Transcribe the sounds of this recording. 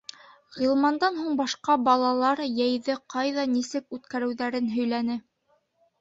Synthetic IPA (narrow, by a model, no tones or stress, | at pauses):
ʁilˠmɑnd̪ɑnɦuɴbɑʃqɑbɑlˠɑlˠɑɾjæjðɘqɑjðɑnisɘkʉt̪kæɾɘ̆wðæɾɘnɦɵ̆jlænɘ